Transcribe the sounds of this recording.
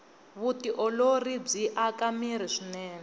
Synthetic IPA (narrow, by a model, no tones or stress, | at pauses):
βutiʔɔlorib͡ʐiʔakamiɾiʂinɛːnɛ